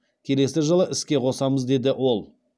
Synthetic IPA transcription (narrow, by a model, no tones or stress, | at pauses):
kʲʰe̞le̞sɪʒəlˠəʔɪskʲe̞qʰo̞sɑməzd̪e̞d̪ɪʔwo̞lˠ